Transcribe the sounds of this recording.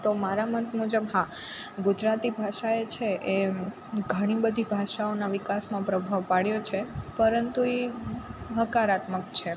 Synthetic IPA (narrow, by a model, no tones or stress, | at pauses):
t̪omaɾamət̪mud͡ʒəbɦa | ɡud͡ʒɾat̪ibʱaʃaet͡ʃʰeʔe | ɡʱəɽ̃ibəd̪ʱibʱaʃaonaʋikasmãpɾəbʱaʋpaɽjot͡ʃʰepəɾənt̪ue | ɦəkaɾat̪məkt͡ʃʰe